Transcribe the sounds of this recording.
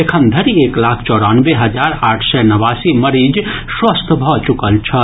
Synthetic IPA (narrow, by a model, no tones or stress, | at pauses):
ekʰənd̪ʱəɾieklakʰt͡ʃɔɾənbeɦəd͡ʒaɾaːʈʰsɛnəʋasiməɾid͡ʒswəst̪ʰbʱɔt͡ʃukəlt͡ʃʰə